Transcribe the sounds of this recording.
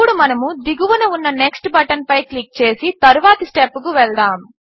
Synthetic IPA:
uɽumɐnɐmud̪iɡuʋɐnɐunːɐneksʈbɐʈɐnpɐjklik̚t͡ʃe̞ːsit̪ɐɾuʋaːt̪ɐsʈepːukuʋɛɭd̪aːm

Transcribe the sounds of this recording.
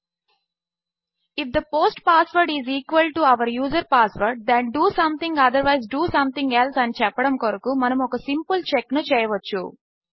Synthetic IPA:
ifd̪ɐpoːsʈpaːsʋɐɾɖiziːkʋɐlʈuɐʋɐɾjuːzɐɾpaːsʋɐɾɖ̚d̪ɛ̃ɳɖuːsɐ̃mt̪ĩŋɡɐd̪ɐɾʋajzɖuːsɐ̃mt̪ʰĩŋɡelsɐnit͡ʃɛpːɐɽɐmkɔɾɐkumɐnɐmɔkɐsimpult͡ʃeknut͡ʃɛːjɐʋɐt͡ʃːṵ

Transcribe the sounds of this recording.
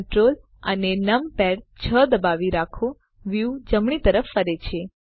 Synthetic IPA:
ʈɾol | ənenəmpɛɽt͡ʃʰəd̪əbaʋiɾakʰõ | ʋjud͡ʒəmɳ̃it̪əɾəfːəɾet͡ʃʰe

